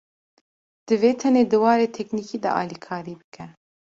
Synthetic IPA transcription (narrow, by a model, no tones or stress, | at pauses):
d̪̥ɨveːt̪ʰɛneːd̪ɨwɑːɾeːt̪ʰɛkniːkiːd̪ɛ̰ʔɑ̰ːlikʰɑːɾiːbɨkʰɛ